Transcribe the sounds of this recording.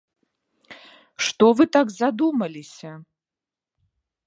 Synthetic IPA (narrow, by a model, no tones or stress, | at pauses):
ʂt̪ɔvɨt̪aɡzad̪umɐlʲisʲɐ